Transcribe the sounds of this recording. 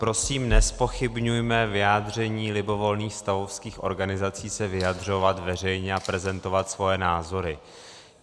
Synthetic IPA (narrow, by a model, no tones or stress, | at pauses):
pɾo̞siːmnɛspo̞xɪbɲujmɛvɪjaːdr̝ɛɲiːlɪbo̞vo̞lniːxst̪avofskiːxʔo̞̰ɾɡanɪzat͡siːsɛvɪjadr̝o̞vat̪vɛr̝ɛjɲɛapɾɛzɛnt̪o̞vat̪svo̞jɛnaːzo̞ɾɪ